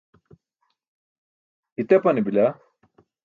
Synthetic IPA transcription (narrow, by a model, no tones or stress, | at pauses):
it̪epɐnibila